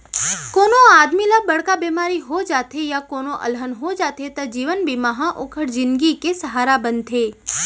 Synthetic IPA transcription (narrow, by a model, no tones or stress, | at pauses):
koːnoaːd̪milabəɽkabeːmaːɾiɦod͡ʒaːt̪ʰejakoːnoʔə̰lɦənɦod͡ʒaːt̪ʰet̪ad͡ʒiːʋənbimaɦãʔoːkʰəɽd͡ʒɪ̃nɡikesəɦaːɾabənt̪ʰeː